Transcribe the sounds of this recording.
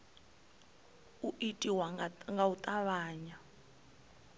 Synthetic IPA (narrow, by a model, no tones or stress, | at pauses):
uʔitʼiwaŋɡaut̪ʼaβaːɲa